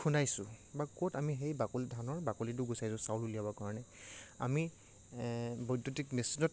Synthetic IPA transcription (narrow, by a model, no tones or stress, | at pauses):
kʰunajsʊbakɔtamiɦejbakolidʱanɔɹbakolit̬ʊɡusajsʊ̃sawlulijabɔkaɹɔnɛa̰mi | bɔjdotikmesinɔt